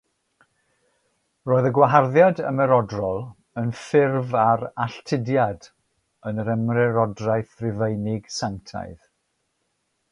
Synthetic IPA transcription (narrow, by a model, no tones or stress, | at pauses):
roːɨðəɡwaɦarðjadə̰mɛɾɔdrɔlˠ | ənfɪrvaɾaɬtʰɪdjad | ənəɾɛmrɛɾɔdrajθrɪvejnɪɡ̥saŋtʰa̰ɨð